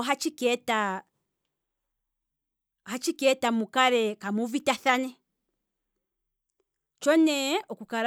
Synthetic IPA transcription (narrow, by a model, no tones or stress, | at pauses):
ɦat͡ʃikɛta | hat͡ʃikɛtamukaɾɛkamuvitaθanɛ | t͡ʃɔnɛɔkukaɾ